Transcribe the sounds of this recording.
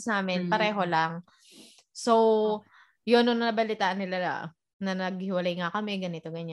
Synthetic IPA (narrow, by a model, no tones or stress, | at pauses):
snaːmɪnpɐɾɛːɦo̞laŋ | sow | jonoŋnɐnɐbɐlɪt̪aːʔɐnːɪla̰ | nɐnɐɡ̚hɪwɐlajŋakɐmɛɡɐnɪt̪o̞ɡɐɲa